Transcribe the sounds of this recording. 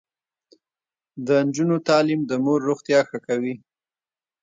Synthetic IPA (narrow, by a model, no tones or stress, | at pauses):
d̪ənd͡ʒunot̪ɑlimd̪əmoɾːoɣt̪jɑxəkawi